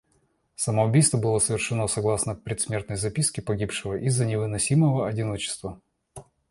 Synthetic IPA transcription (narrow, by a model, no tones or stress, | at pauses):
səməʊbʲijst̪vəbɨlˠəsəvʲɪrʂɨno̞sɐɡlˠasnəpɾʲɪt̪smʲe̞rt̪nəjzɐpʲiskʲɪpɐɡʲipʂɨvəʔizːənʲɪvɨnɐsʲiməvəɐdʲɪnot͡ɕɪ̥st̪və